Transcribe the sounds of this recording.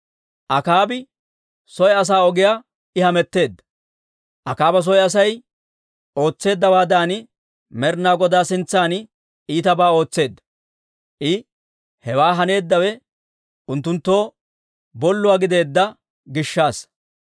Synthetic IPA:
ʔɐkaːbɪ | sɔjɛɐs̬aːɔɡɪjaː | ɪhɐmɛt̪ːe̞ːd̪ːɐ̥ | ʔɐkaːbɐs̬ɔjɐs̬ɐj | o̞ːt͡sːe̞ːd̪ːɐwaːd̪aːnɪ | mɛɾnaːɡɔd̪aːsɪnt͡sːaːnɪ | iːt̪ɐbaːo̞ːt͡sːe̞ːd̪ːɐ̥ | ʔɪ | hɛwaːɦɐne̞ːd̪ːɐwɛ | ʔʊnt̪ːʊnt̪ːo̞ː | bɔlːʊwaːɡɪd̪e̞ːd̪ːɐ | ɡɪʃːaːs

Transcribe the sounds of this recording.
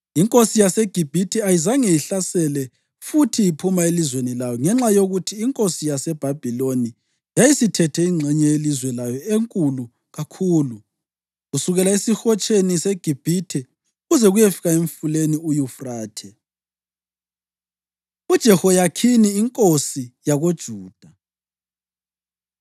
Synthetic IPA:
iŋkʼosijaseɡ̥ʱib̥ʱitʰɛajizaŋɛjiɬasɛlɛ | futʰijipʰumaelizwenilajɔŋɛŋ͡ǁajoɣutʰiːŋkʼosijasɛb̥ʱab̥ʱiloni | jajisitʰɛtʰɛiŋ͡ǁʱɛɲɛelizwɛlajɔeŋkʼulu | ɣakʰuːlu | ɣusuɣɛlaisixɔt͡ʃʼeniseɡ̥ʱib̥ʱitʰɛ | uɣuzɛɣujefiɣaeɱfuleniujufraːtʰɛ | ud̥ʒ̥ʱɛhɔjakʰiniːŋkʼosijaɣod̥ʒ̥ʱuːd̥ʱa

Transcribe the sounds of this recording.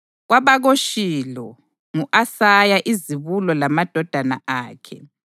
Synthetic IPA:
ɣwaβaɣoʃilɔ | ŋuʔasajaʔiziβulɔlamad̥ʱɔd̥ʱana̰ʔaːkʰɛ̰

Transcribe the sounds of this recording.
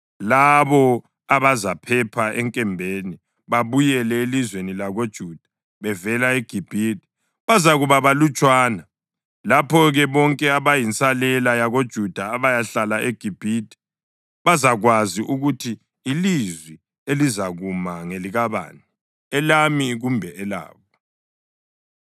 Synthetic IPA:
laβɔ | aβazapʰɛpʰaʔɛŋkʼɛmbʱeni | βaβujɛlɛelizwenilaɣod̥ʒ̥ʱuːd̥ʱḁ | βɛvɛlaeɡ̥ʱib̥ʱitʰʼi̥ | βazaɣuβaβalut͡ʃʼwaːna | lapʰɔɣɛβɔŋkʼɛaβajint͡sʼalɛlajaɣod̥ʒ̥ʱud̥ʱaːβajaɬalaʔeɡ̥ʱib̥ʱid̥ʱi̥ | βazaɣwaziʔuɣutʰiː | lizwi | elizaɣumaŋeliɣaβa̰ːnu | ɛlamiɣumbʱɛʔɛla̰ːβɔ

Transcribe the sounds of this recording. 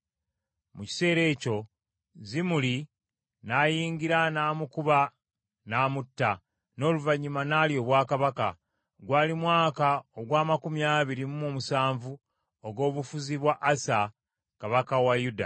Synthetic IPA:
muci̥se̞ːɾe̞ːco̞ | zimuli | naːjiːŋɡiɾanaːmukuβa | naːmutːa | no̞ːluvaɲimanaːljo̞βwaːkaβaka | ɡwaːlimwaːkaoɡwaːmakumiaːβiɾimumomusaːɱvu | oɡo̞ːβufuziβwaʔːsa | kaβakawajuda̰

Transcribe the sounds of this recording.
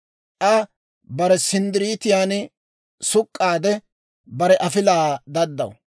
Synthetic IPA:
ʔɐ | bɐɾɛsɪnd̪ɪɾiːt̪ɪjaːn | sʊkʼːaːd̪ɛ | bɐɾɛʔɐfɪlaːd̪ɐd̪ːɐ̰w

